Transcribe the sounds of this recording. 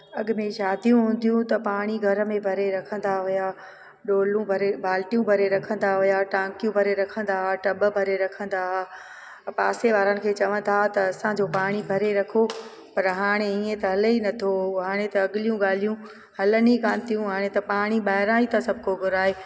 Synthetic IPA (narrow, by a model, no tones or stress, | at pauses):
ɐɠʊmẽʃaːd̪ʱijũɦũːnd̪ijũt̪ɐpaːɽ̃iɡʱɐɾəmẽbʱɐɾeɾɐkʰə̃nd̪aɦʊja | ɗoːlũbʱɐɾebʱaːlʈijũbʱɐɾeɾɐkʰə̃nd̪aɦʊjaʈãːŋkjũbʱɐɾeɾɐkʰə̃nd̪aɦʈɐbəbʱɐɾeɾɐkʰə̃nd̪aɦa | paːseʋaːɾənɪ̆kʰeːt͡ɕɐʋə̃nt̪ʰat̪ɐɐsãd͡ʑoːpaːɽ̃ibʱɐɾeɾɐkʰo | pɐɾɦaːɽ̃eiːẽt̪ɐɦɐləinɐt̪ʰoɦaːɽ̃et̪ɐɐɠɪlijũɠaːl̤ijũ | hɐlənikaːnt̪ijũɦaːɽ̃et̪ɐpaːɽ̃iɓaːɦɪɾaːit̪asɐbʱʊkoɡʱʊɾaːɦeː